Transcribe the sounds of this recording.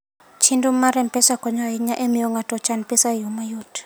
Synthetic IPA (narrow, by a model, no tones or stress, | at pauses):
t͡ʃʰintʼum̩ːaɾɛmpɛsakʼɔɲajiɲaʔemijɔŋatʼɔt͡ʃʰanpisajumajutʰ